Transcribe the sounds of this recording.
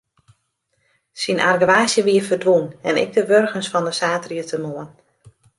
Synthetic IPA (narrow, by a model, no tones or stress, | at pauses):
sina̰rɡəʋaːsjəʋiəfərdʋunɛnɪ̰ɡ̚dəʋørɣənsfɔndəsaːtriətʰəmoən